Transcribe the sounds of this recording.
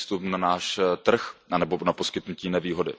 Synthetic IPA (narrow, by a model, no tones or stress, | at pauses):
st̪upnanaːʃt̪r̩xʔanɛbonapo̞skɪt̪nuciːnɛviːɦodɪ̰